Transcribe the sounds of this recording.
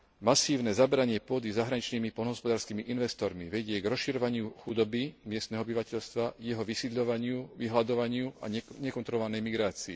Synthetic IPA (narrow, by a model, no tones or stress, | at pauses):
masiːʊnɛzabɛɾaɲɪɛpʊɔd̪izaɦɾaɲit͡ʃniːmipɔlnɔɦɔspɔd̪aːɾskiːmiʔinʋɛst̪ɔɾmiʋɛɟɪɛɡɾɔsʃiɾɔʋaɲɪuxud̪ɔbimɪɛst̪nɛːɦɔɔbiʋacɛʎst̪ʋajɛɦɔʋisid̪ʎɔʋaɲɪuʋiɦlad̪ɔʋaɲɪua̰ɲɛkɔnt̪ɾɔlɔʋanɛjmiɡɾaːt͡sḭː